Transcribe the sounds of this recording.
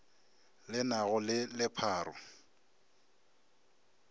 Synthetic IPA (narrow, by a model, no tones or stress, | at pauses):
lɪnaɣʊlɪlɪpʰaːɾʊ